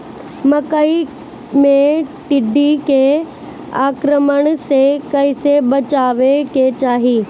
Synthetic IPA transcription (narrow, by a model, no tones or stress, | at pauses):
mɐkəi | mẽʈɪɖʱike | aːkɾəməɽ̃sekɐɪ̃sebɐt͡ɕaːʋeket͡ɕaːɦiː